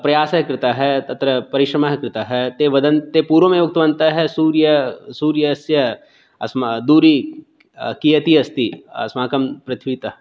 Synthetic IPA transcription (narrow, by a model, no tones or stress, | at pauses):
pɾɐjaːsɐɦɐkɾɪt̪aɦɛt̪ɐt̪ɾɐpɐɾɪʃɾɐmaɦɐkɾɪt̪aɦɛt̪eːʋɐd̪ɐnt̪epuːɾõmẽok̚t̪ɐʋɐ̃nt̪aɦɛsuːɾjɐsuːɾjɐɐsjɐ | ɐ̰smd̪uːɾi | kijɐt̪iɐst̪iɐ̰smaːkɐmpɾɐt̪ʰʋit̪ɐ